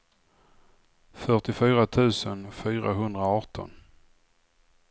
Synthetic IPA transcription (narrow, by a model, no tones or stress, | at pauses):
fœʈɪfyːɾat̪ʰʉ̟ːsənfyːɾaɦɵnd̪ɾaɑːʈɔ̰n